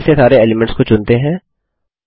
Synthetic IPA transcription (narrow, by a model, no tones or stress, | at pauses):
sesaːɾeeːlɪmɛ̃ɳʈskot͡ʃʊnt̪eɦɛ̃ː